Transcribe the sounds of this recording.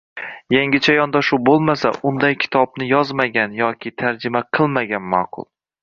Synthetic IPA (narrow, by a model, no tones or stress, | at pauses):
jaŋɡʲɪt͡ʃʰajɒnd̪aʃubolˠmasa̰ʔʊnd̪ajkʲʰɪ̥t̪ʰɒbnɪjɒzmaɡʲanjɒkʲʰɪt̪ʰaɾd͡ʒɪmaqʰɨlˠmaɡʲanmɑːqʰʊ̰lˠ